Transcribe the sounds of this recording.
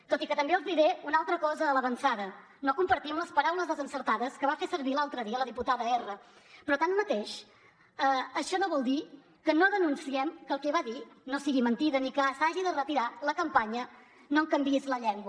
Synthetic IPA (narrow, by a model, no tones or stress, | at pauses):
t̪ot̪ikət̪əmbeəlˠzðiɾeunalˠt̪ɾəkɔzəːləβənsaðə | nokumpəɾt̪iəmləspəɾawləzðəzənsəɾt̪aðəskəβafesəɾβilalˠt̪ɾəðiələðiput̪aðəerə | pɾɔt̪anmət̪eʃ | əəʃɔnoβɔlˠd̪i | kənoðənunsiɛmkəlˠkɛβaðinosiɣimənt̪iðəniksaʒiðərət̪iɾaləkəmpaɲə | noŋkəmbiezləʎɛŋɡwə